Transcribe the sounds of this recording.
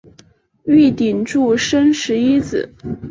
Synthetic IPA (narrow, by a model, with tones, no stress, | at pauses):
y˥˩t̪i˨˩nʈ͡ʂu˥˩ʂə˥nʂɻ̩˧˥i˥t͡sɹ̩˨˩˦